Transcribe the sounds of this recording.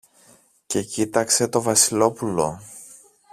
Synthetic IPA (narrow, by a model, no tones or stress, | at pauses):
ce̞cit̪ɐkse̞t̪o̞vɐsilo̞pulo̞̰